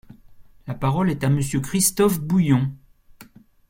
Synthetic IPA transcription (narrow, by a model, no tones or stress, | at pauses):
lapaʁɔlɛt̪aməsjøkχist̪ɔfbujɔ̃